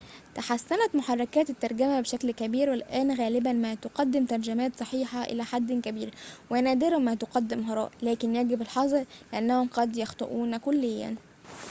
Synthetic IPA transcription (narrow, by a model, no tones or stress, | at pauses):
t̪aħasːænæt̪moħɑrˤːɑkæːt̪et̪ːɑɾˤɡæmæbeʃæklkæbiːɾwelʔæːnɣæːlɪbænmæt̪oqɑd̪ːɪmt̪ɑɾˤd͡ʒæmæːt̪sˤɑħiːħɑʔɪ̰læːħad̪ːkæbiːɾwʔænæd̪eɾmæːt̪oqɑd̪ːemɦɑɾˤɑ̰ːʔlæːkɪnjæɡɪbelħɑzˤɾleʔænːæhomqɑd̪jɑxt̪ˤo̰ʔuːnkolːejːæ̰n